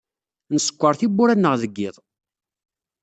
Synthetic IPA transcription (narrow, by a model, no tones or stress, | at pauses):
nəsə̥kʷːəɾˤθibʊɾænːəʁðəɡːɪðˤ